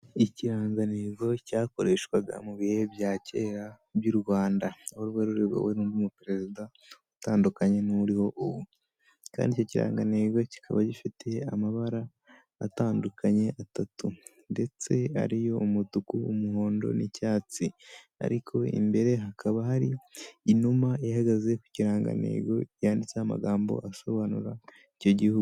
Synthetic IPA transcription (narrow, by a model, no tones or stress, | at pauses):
iciɾaːŋɡaneɡo̞caːko̞ɾe̞ːʃkwaɡa̰muβihebjaːce̞ːɾa | bjuɾuβaːndahoɾuβweɾuɾeβḛweɾuːndiumupiɾe̞zida | utaːndukaɲe̞nuɾiho̞ʔuβu | ka̰ːndicociɾa̰ːŋɡaneɡo̞ci̥kʰa̰βaɟifite̞amaβaɾaː | taːndukʰaɲe̞ʔatatu | nde̞t͡se̞a̰ɾijo̞umutukuumuɦo̞ːndo̞̰nicaːt͡si | a̰ɾikʰo̞ḭmbe̞ɾe̞ɦakʰaβahaɾiːnumaahaɡaze̞ku̥ciɾaːŋɡa̰ne̞̰ːɡo̞jaːndit͡seama̰ɡaːmbo̞̰ʔaso̞βanṵɾa | ico̞ɟihuɡu